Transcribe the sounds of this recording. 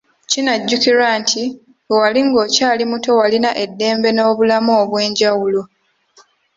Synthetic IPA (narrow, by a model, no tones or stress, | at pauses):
cinaɟːukiɾaːntʰi | owaliŋɡo̞ːcaːlimuto̞walinaʔe̞dːe̞ːmbe̞no̞ːβulamoːβwe̞ːɲɟawulo